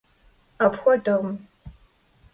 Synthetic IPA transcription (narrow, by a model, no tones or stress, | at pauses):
apxʷɔdɐʁm